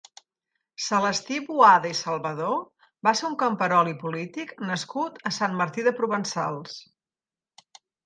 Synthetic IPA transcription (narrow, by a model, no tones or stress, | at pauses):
sələst̪iβuaðəisəlˠβəðo | baseuŋkəmpəɾɔlipulit̪iknəskut̪əsanməɾt̪iðəpɾuβənsalˠs